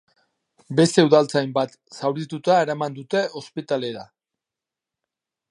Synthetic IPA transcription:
be̞st̪e̞uðalt͡sajmbat̪ | sawɾit̪ut̪aeɾamand̪ut̪e̞ʔo̞spit̪ale̞ɾa

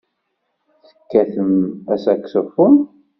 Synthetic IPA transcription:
θə̥kːæθəmæsækːsəfʊn

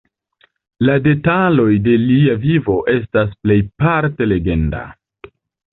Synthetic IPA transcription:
lade̞talo̞jde̞liavivo̞ʔe̞s̬tas̬ple̞jpaɾte̞le̞ɡe̞nda̰

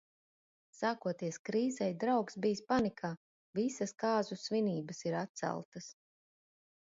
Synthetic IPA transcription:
saːkuɔt̪iɛskɾiːzɛjd̪ɾawksbijspanikʰaː | visɐskaːzusviniːbɐsiɾat̪̚sæ̰lˠt̪ɐs

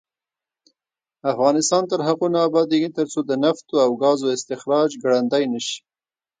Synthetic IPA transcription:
afɣɑnɪst̪ɑnt̪əɾɦaqunaːbɑd̪eɡit̪əɾt͡sod̪ənaft̪oawɡɑzoɪst̪ɪxɾɑd͡ʒɡɽand̪ajnəʃi̥

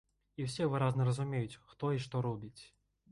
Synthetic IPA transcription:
iwsʲɛvɨɾaznɐɾɐzumʲejut͡sʲxt̪ɔiʂt̪ɔɾɔbʲit͡sʲ

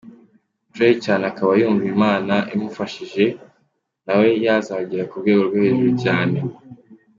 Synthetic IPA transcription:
tɾeicaːneakaβajuːɱviimaːnaʔimufaʃiʒe̞ | nawe̞jazaɟiɾakuɾɡwe̞ːɡo̞ɾɡwehe̞ːʒuɾucaːne̞

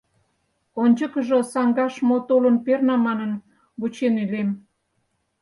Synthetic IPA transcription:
onʲt͡ɕə̆kə̆ʒŏsɑŋɡɑʃmot̪olə̆npernɑmɑnən | βut͡ɕenylem

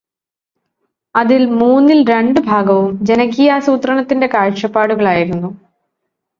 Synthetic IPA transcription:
ɐðilmuːnːilɾe̞ɳɖɨbʱaːɡɐʋumd͡ʑenɐkːijaːsuːt̪rɐɳɐt̪ːinde̞kaːɻʂɐpːaːɽuɣɐɭaːjiɾunːu

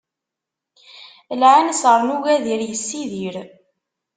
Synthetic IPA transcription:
əlʕansəɾˤnuʝæðiɾjəsːiðiɾ

